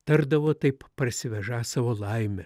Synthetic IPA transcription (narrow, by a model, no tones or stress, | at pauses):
t̪ɐɾd̪ɐʋoːt̪ɐɪppɐɾʲsʲɪʋʲɛʒɑːsɑʋoːlˠɐɪmʲɛ